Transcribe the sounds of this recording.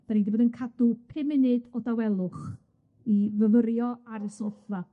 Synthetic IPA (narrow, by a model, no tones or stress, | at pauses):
d̥anindiboːdənkʰadʊpʰɪmɪnɨdɔdawɛlˠʊχ | ivəvəɾjɔaɾəsɔfa